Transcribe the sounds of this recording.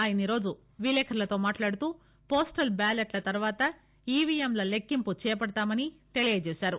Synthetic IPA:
aːjɐniɾo̞ːd͡ʒu | ʋiːlɛːkʰɐɾlɐt̪o̞ːmaːʈlaːɽut̪uː | poːsʈɐlbaːleʈlɐt̪ɐɾuʋaːt̪ɐ | iːʋiemlɐlekːimput͡ʃɛːjɐpɐɽɐt̪aːmɐnit̪e̞lijed͡ʒeːsaːɾu

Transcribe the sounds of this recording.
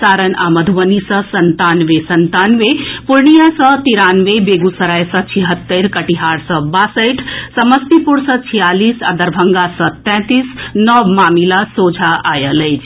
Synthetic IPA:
saɾəna̰məd̪ʱuʋənisə̃sənt̪anʋesənt̪anʋepuɾɳijasə̃t̪iɾanʋebeɡusəɾajsə̃t͡ʃʰiɦət̪ːəɾkəʈiɦaɾsə̃basəjʈʰsəməst̪ipuɾsə̃t͡ʃʰijalisa̰d̪əɾbʱəŋɡasə̃t̪ɛ̃t̪isnɔʋmaːmilasod͡ʒʱaʔajələjt͡ʃʰ

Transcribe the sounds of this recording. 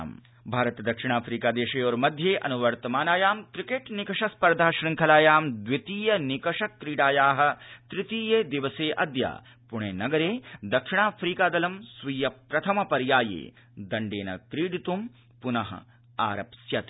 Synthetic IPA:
m | bʱaːɾɐt̪d̪ɐkʂiɳ̃aːfʰɾiːkaːd̪eːʃeːɔːɾmɐd̪ʱjeːʔɐnuʋɐɾt̪ɐmaːnaːjaːmkɾikeːʈnikɐʂɐspɐɾd̪ʱaːʃɾiŋkʰɐlaːjaːmd̪ʋit̪iːjɐnikɐʂɐkɾiːɖaːjaːɦɐ̆t̪ɾɪt̪iːjeːd̪iʋɐseːʔɐd̪ja̰ː | pʊɳ̃eːnɐɡɐɾeːd̪ɐkʂɪɳaːfʰɾiːkaːd̪ɐlɐmsʋiːjɐpɾɐt̪ʰɐmɐpɐɾjaːjḛː | d̪ɐɳɖeːnɐ̰kɾiːɽit̪um | punɐɦɐ̰ | aːɾɐpsjɐt̪ː

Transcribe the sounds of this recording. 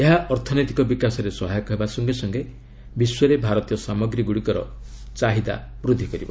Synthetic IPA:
eɦaʔɔɾt̪ʰɔnɔjt̪ikɔbikasɔɾesɔɦajɔkɔɦebasɔŋɡesɔŋɡe | biswɔɾebʱaɾɔt̪ijɔsamɔɡɾiɡuɽikɔɾɔ̰ | t͡ʃaɦid̪a̰ | bɾud̪ʱːikɔɾibɔ̰

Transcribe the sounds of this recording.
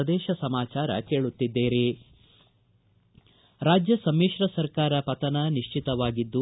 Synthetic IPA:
ɐd̪ɛːʃɐsɐmaːt͡ʃaːɾɐ̰ke̞ːɭut̪ːid̪ːeːɾe | ɾaːd͡ʒjɐsɐmːiːʂɾɐsɐɾkaːɾɐpɐt̪ɐnɐniʂt͡ʃit̪ɐʋaːɡid̪ːu

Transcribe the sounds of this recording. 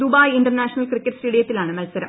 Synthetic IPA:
d̪ubaːjiɳɖɐrnaːʂɐnɐlkrikːeʈsʈeːɽijɐt̪ːilaːɳɨmɐlsɐɾɐm

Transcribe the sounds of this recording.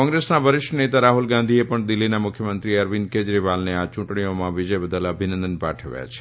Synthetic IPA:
kɔ̃ŋɡɾesnabʱəɾɪʃʈənet̪aɾaɦulɡãnd̪ʱiepəɳd̪ɪlːinamʊkʰːjəmənt̪ɾiəɾʋĩnked͡ʒɾiʋalneat͡ʃũʈɳ̃ijomãʋid͡ʒəjbəd̪ələbʱinə̃nd̪ənpa̰ʈʰəʋja̰t͡ʃʰe̥

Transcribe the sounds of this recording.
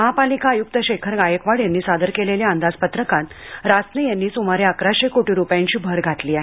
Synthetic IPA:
məɦapalikaːjuk̚t̪əɕekʰəɾɡajəkʋaɽjanːiːsad̪əɾkeleljaənd̪ad͡zpət̪ɾəkãnt̪ | ɾasnejanːiːsumaɾeakɾaɕekoʈiɾupjãɲt͡ɕiːbʱəɾɡʱaʈ̪liːaɦe

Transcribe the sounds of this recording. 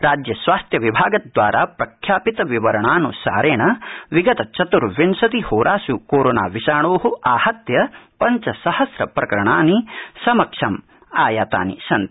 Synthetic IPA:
ɾaːd͡ʒjɐsʋaːst̪jɐʋibʱaːɡɐd̪ʋaːɾʔaːpɾɐkʰjaːpit̪ɐʋiʋɐɾɐɳaːnusa̰ːɾeːɳɐʋiɡɐt̪ɐt͡ʃɐt̪uɾʋinsɐt̪ihoːɾʔaːsukoːɾoːna̰ːʋiʃaːɳoːɦuʔaːhɐt̪jɐpɐɲt͡ʃɐsɐhɐsɾɐpɾɐkɐɾɐɳaːnisɐmɐkʂɐm | aːjaːt̪a̰ːnḭsɐnt̪

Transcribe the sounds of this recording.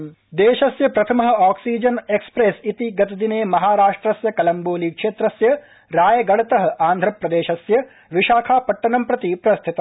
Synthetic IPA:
d̪eːʃɐsjɐpɾɐt̪ʰɐmɐɦɐ̆aːksiːd͡ʒɐnekspɾeːsit̪iɡɐt̪ɐd̪ineːmɐɦaːɾaːʂʈɾɐsjɐkɐlɐmboːlikʂeːt̪ɾɐsjɐ | ɾaːjɐɡɐɽɐt̪ɐɦɐʔaːnd̪ʱɾɐpɾɐd̪eːʃɐsjɐ | ʋiʃaːkʰaːpɐʈːɐnɐmpɾɐt̪ipɾɐst̪ʰit̪ɐ

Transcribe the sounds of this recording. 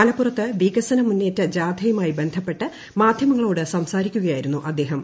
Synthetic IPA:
ɐlɐpːurɐt̪ːɨʋiːkɐsɐnɐmunːeːtːɐd͡ʑaːd̪ʱɐjumaːjibe̞nd̪ʱɐpːe̞ʈːɨ | maːd̪ʱjɐmɐŋːɐɭo̞ːɽɨsɐmsaːɾikʲːuɣɐjaːjiɾunːuʔɐd̪ːe̞ːɦɐm

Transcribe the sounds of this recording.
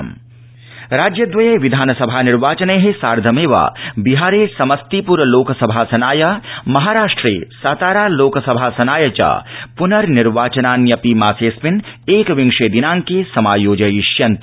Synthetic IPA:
m | ɾaːd͡ʒjɐd̪ʋɐjeʋid̪ʱaːnɐsɐbʱaːniɾʋaːt͡ʃɐneɦesaːɾd̪ʱɐmeːʋa̰ːbiɦaːɾeːsɐmɐst̪ipuɾɐloːkɐsɐbʱaːsɐnaːjɐmɐɦaːɾaːʂʈɾḛːsaːt̪aːɾaːloːksɐbʱaːsɐnaːjɐt͡ʃa̰ːpunɐɾniɾʋaːt͡ʃɐnaːnjɐpimaːseːsmineːkʋiŋʃeːd̪inãːŋkesɐmaːjoːd͡ʒɐjiʃjɐnt̪

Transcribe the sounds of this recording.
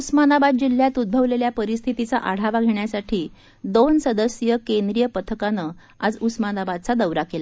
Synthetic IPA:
usmanabad̪̚d͡ʑil̤ːjat̪ud̪̚bʱəʋleljapəɾist̪ʰit̪it͡saʔaɽ̤aʋaɡʱeɳjasaʈʰiː | d̪onsəd̪əsjəkend̪ɾijəpət̪ʰəkanə | ad͡zusmanabad̪̚t͡sad̪əwɾakela

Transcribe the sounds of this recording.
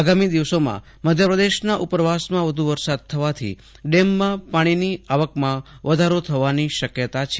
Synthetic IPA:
aɡamid̪iʋsomã̰ | məd̪ʱjəpɾəd̪eʃnaʔupəɾʋasmãʋəd̪ʱuʋəɾsad̪̚t̪ʰəʋat̪ʰḭ | ɖemːãpaɽ̃iniaʋəkmãʋəd̪ʱaɾot̪ʰəʋaniʃəkjət̪at͡ʃʰ

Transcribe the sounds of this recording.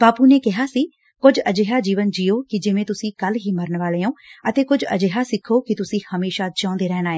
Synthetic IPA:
baːpuːneːkɪɦaːsiː | kʊd͡ʒəd͡ʒeːɦaːd͡ʒiːʋənd͡ʒiːoːkɪd͡ʒɪʋẽːt̪ʊsĩːkəlɦiːməɾənʋaːleːõːət̪eːkʊd͡ʒə̰d͡ʒeːɦaːsɪkʰːoːkɪt̪ʊsĩːhəmeːʃaːd͡ʒãːʊ̃nd̪eːɾɛːnaːeː

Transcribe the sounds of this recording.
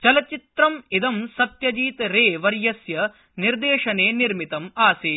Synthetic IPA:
t͡ʃɐlɐt͡ʃit̪ɾɐmid̪ɐmsɐt̪jɐd͡ʒiːt̪ɾeːʋɐɾjɐsjɐ | niɾd̪eːʂɐneːniɾmit̪ɐmaːseː

